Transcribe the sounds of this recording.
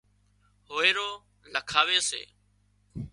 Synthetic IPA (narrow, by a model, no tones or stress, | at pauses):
hoːeːɾoː | ləkʰaːʋeːsḛː